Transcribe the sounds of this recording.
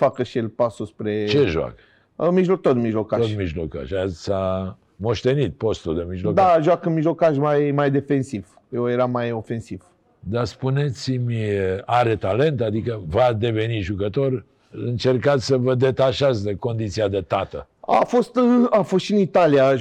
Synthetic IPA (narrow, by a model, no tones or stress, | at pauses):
fakəʃielpasuspɾe̞t͡ʃeʒoa̰k | əmiʒlo̞k̚t̪ot̪miʒlo̞kat̪ʃot̪miʒloka̰ʃasa | mo̞ʃt̪e̞nit̪̚po̞st̪uld̪emiʒlod̪aʒuwakənmiʒlo̞kaʃ̬majmajd̪e̞fe̞nsiv̥ | jewje̞ɾamːajo̞fe̞nsiv̥ | d̪aspunet̪simʲaɾet̪ale̞nt̪ad̪ikəvad̪e̞ve̞niʒukət̪o̞r | ɨnt͡ʃe̞rkat̪sʲsəvəd̪e̞t̪aʃat̪sʲd̪ekond̪it̪siad̪et̪at̪ə | a̰fo̞st̪afost̪ʃiɨnit̪alija